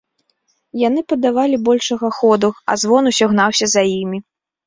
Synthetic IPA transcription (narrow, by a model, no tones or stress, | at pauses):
jan̪ɨpɐd̪avalʲibɔlʲʂɐɣɐxɔd̪uɐ̰zvɔnusʲaɣn̪awsʲɐzajimʲi